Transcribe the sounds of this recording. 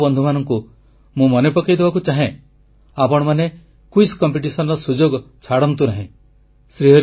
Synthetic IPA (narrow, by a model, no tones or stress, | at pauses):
bɔnd̪ʱumanɔŋku | mũmɔnepɔkajd̪ebakut͡ʃaɦẽ | apɔɽ̃ɔmane | kuiskɔmpiʈisɔnɔɾɔsud͡ʒoɡɔt͡ʃʰaɽɔnt̪unaɦĩ | sɾiɦɔɾ